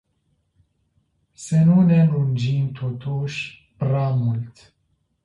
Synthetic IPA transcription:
senunelund͡ʒiːnt̪ʰot̪ʰuʃ | pɾamult̪

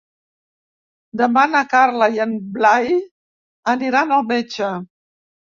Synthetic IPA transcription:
d̪əmanəkaɾləjənblaj | əniɾanəlˠmet͡ʃə

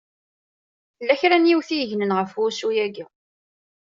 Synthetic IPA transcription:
θəlːæçɾænjiwθijəʝnənʁəfʊɾsujæɡi

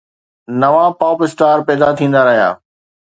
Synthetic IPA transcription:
nɐʋãpɔːpɪsʈaːɾpɛːd̪at̪ʰĩːn̆d̪aɾɐɦija̰ː

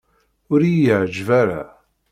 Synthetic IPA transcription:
ʊɾijəʕd͡ʒvæɾa̰

